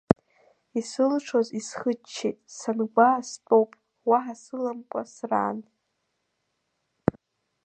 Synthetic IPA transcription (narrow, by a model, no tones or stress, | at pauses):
isɨlʈ͡ʂʰozisχət͡ʃʰːḛjtʼsanɡʷaspʼowpʼ | waɦasɨlamkʷʼasra̰ːn